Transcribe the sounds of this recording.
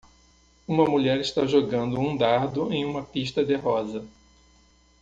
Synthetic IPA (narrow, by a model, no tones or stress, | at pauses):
ũmɐmuʎɛɾɪst̪aʒoɡɐ̃nd̪ʊũd̪aɾd̪ʊẽj̃ũmɐpiʃt̪ɐd̪eɦɔzɐ